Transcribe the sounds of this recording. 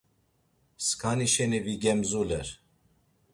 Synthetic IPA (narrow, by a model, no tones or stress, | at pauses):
skʰaniʃɛniviɡɛmzulɛɾ